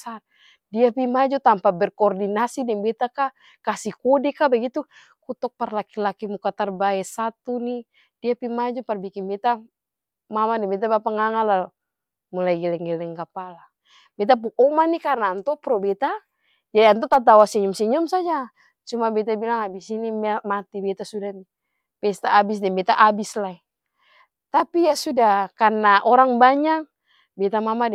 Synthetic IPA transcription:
sar | diapimad͡ʒut̪ampabɛrkɔːrdinasidɛŋbɛt̪aka | kasikɔdɛkabaɡit̪u | kut̪ɔk̚parlakilakimukat̪arbaɛsat̪uni | diapimad͡ʒɔparbikinbɛt̪a | mamadɛbɛt̪̬abapaŋaŋala | mulaiɡɛlɛŋɡɛlɛŋkapala | bɛt̪̬ap̬uɔmanikarnaːnt̪ɔpɾɔbɛt̪a | d͡ʒadiant̪̬ɔt̪at̪̬awasiɲumsiɲumsad͡ʒa | t͡ʃumabɛt̪abilaŋabisinimmat̪ibɛt̪asudani | pɛst̪aːbis̬dɛmbɛt̪aʔabislai | t̪apijasudahkarnaʔɔɾaŋbaɲak̚ | bɛt̪amamadɛ

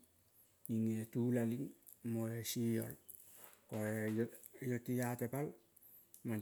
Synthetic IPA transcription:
iŋetulaliŋ | moesijo̰l | koejotijatepal | man

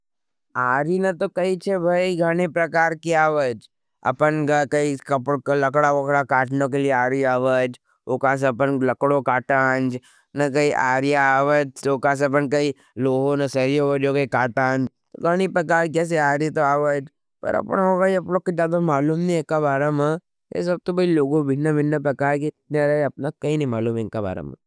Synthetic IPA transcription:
aːɾinɐt̪okɐit͡ʃʰebʱɐiɡʱaːɽ̃ipɾɐkaːɾkiaːʋəd͡ʒ | ɐ̰pənɡɐkɐikɐpɽkalɐkɽaʋokɽakaːʈnõk̬elieaːɾiaːʋəd͡ʒ | oːkãːs̬ɐpənlɐkɽokaːʈand͡ʒ | nɐkɐiʔaːɾijaaːʋəd͡ʒoːkãːs̬ɐp̬ənkɐi | loːɦonɐsɐɾijaʋəd͡ʒokɐikaːʈaːnd͡ʒ | t̪oɡaːñipɐkaːɾkɛːs̬eaːɾit̪oaːʋəd͡ʒ | pɐ̰ɾɐ̰pnaokaːiɐpnõkːod͡ʒjaːd̪amaːluːmnĩkabaːɾəmã | jḛs̬ɐb̚t̪obɐiloːɡõbʱɪnːabɪnːapɾɐkaːɾkit̪naːɾeɐp̚nakɐinɐ̃ĩmaːluːmɛɪnkaba̰ːɾə̰mɐ̰̃

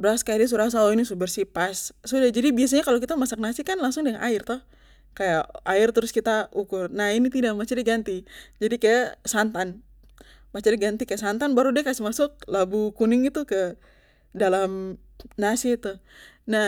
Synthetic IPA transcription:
bɾaskajadis̬uɾas̬aoinisubərsipassudad͡ʒadibias̬aɲakalokit̪amasak̚nasikanlaŋsʊŋdəŋanʔa̰ɪrt̪ɔh | kajaaɪrt̪əɾʊskit̪aukʊrnahinit̪idamat͡ʃadiɡant̪id͡ʒadikajasant̪an | mat͡ʃadiɡant̪ikajaʔsant̪anbaɾudikasimasʊk̚labukunɪŋɡit̪ukə | dalam | nasit̪una

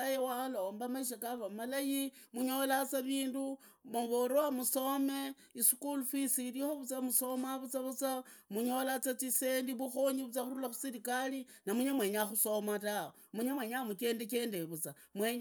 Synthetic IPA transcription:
ajewalo̞ːmbamaiʃ̬akaβamalajimuɲo̞lat͡saβiːndu | moβoɾowamuso̞me | isu̥kulfisiɾixoβut͡samuso̞maβut͡saβut͡samuɲo̞lat͡sat͡sisendiβuxo̞ɲiβut͡saxuɾulaxu̥siɾikalinamuɲemwe̞ːɲaxuso̞matawo | muɲemweɲamuke̞ːndeke̞ːndeβut͡sa | mweɲ

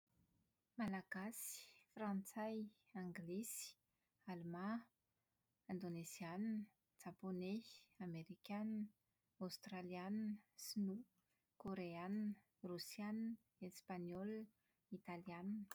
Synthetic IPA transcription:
malaɡ̥asi̥frãnt͡saj | aŋɡlesi̥ | almã | and̪oneziannə | d͡ʒaponeameɾikʲan | awst̪ralianinsinu | koɾeannə | rusjan | espaɲɔl | it̪alianinə̥

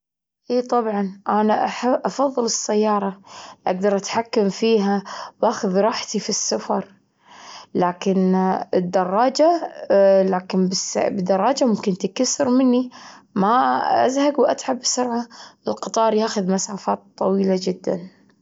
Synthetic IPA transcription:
ʔiːt̪ˤɑbʕɑnʔanaʔaħabʔɑfɑðˤːɨlɨsːajːɑːɾˤɑʔaɡ̚d̪ɑɾˤʔat̪ħakːamfiːɦawʔaːxʊðɾˤɑːħt̪ifisːafɑɾˤ | laːkɪnɪd̪ːɑrˤːɑːd͡ʒa | laːkɪnbɪsbɪd̪ːɑrˤːɑːd͡ʒamʊmkɪnt̪ikasːɪɾmɪnːimaʔa̰zhaɡwʔat̪ʕabːsʊɾʕaʔɪlqɨt̪ˤɑːɾˤjaːxʊðmasaːfaːt̪ˤːɑwiːlad͡ʒɪd̪ːa̰n

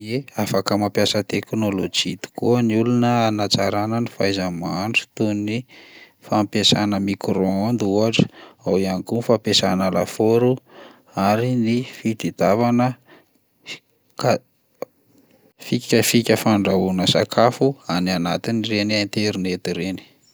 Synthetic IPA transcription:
eafakəmampjasət̪eknolod͡ʒit̪i̥kuəniulunəanat͡saɾanənifajzəmaɳɖ͡ʐi̥t̪uni | fampesanəmikɾoond̪uaʈ͡ʂə̥awianikunifapesa̰nala̰foɾu | aɾinifit̪id̪avanə | ka | fikʲəfikʲəfaɳɖ͡ʐaunəsa̰kʰafuanianat̪inirenient̪eɾinet̪iɾeni̥

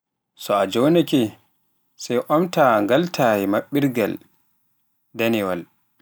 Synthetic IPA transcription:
sɔad͡ʒɔwnɛkɛ | sajʔɔmtaŋɡaltʰaːjɛmaɓːiɾɡa̰l | danɛwa̰l

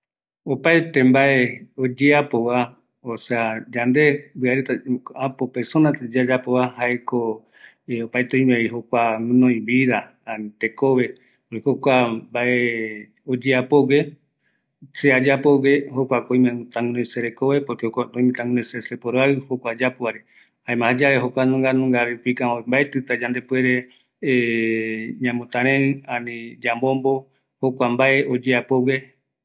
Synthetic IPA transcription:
opaet̪embaʔeod͡ʒeapoβa | osead͡ʒand̪e̞bɨaɾet̪aapopeɾsonãt̪d͡ʒad͡ʒapoβahaeko | eopaet̪õj̃mẽiɦokʷaŋɨ̃nõjĩbiða | at̪ekoβe̞ | okokʷabaʔe | od͡ʒeapoɡe̞ | sead͡ʒapoɡehokʷakõĩmẽt̪ãŋũnõseɾekoβe̞poɾkeoat̪õĩmẽt̪ãŋunõsesepoɾoaɨhokʷad͡ʒapoβaɾe | haẽmãhad͡ʒaβeɦokʷanũŋɡanũŋɡaɾepikãombaet̪ɨt̪ad͡ʒand̪epueɾe | ɲãmõt̪ãɾẽɨanĩd͡ʒambombo̞ | hokʷambaʔe̞ʔod͡ʒeapoɡe

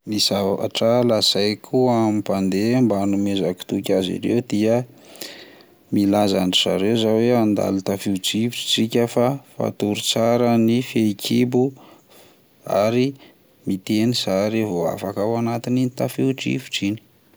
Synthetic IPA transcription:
misaa̰ʈ͡ʂalasajkʰuamipand̪embanumezaki̥t̪ukʲazḭɾewd̪̥iə | milazaɳʈ͡ʂiza̰ɾewzaweand̪a̰lit̪afiuʈ͡ʂiviʈ͡ʂi̥t͡sikʲəfafa̰t̪uɾut͡saɾənifekʰibu | a̰ɾi | mit̪enisaɾivoa̰fakawanat̪ininit̪afiuʈ͡ʂḭvi̥ʈ͡ʂini̥

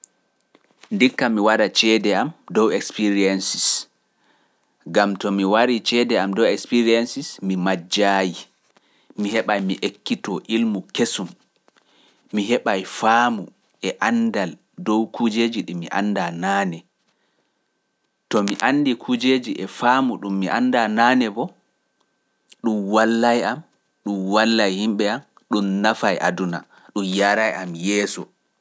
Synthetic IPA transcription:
ndikːamiwaɾat͡ʃɛdɛamdɔwɛkspiɾiɛnsis | ɡamtɔmiwaɾit͡ʃɛdɛamdɔwɛkspiɾiɛnsismimad͡ʒaːji | miɦɛɓajmiʔekːitɔʔilmukesum | iɦɛɓajfaːmu | ʔɛʔandal | dɔwkʰud͡ʒed͡ʒiɗimḭʔa̰nːdanaːnɛ | tɔmiʔanːdikʰud͡ʒed͡ʒiʔɛfamuɗumːiʔandanaːnɛbɔ | ɗumwalːajam | ɗumwalːajhimɓɛam | ɗumnafajʔa̰duna̰ | ɗumjaɾajʔamjɛːsɔ̰

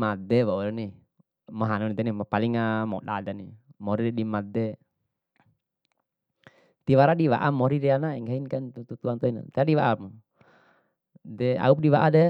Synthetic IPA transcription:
mad̪ɛwauɾɛni | mɔɦanɔnɛd̪animɔpaliŋamɔ̰ɗa̰dani | mɔɾiɾɛɗimad̪ɛ | t̪iwaɾaɗiwa̰ʔamːɔɾiɾɛanaiŋɡainkant̪ut̪ut̪uant̪ɔina̰t̪adiwaʔam | dɛa̰up̚diwaʔadɛ

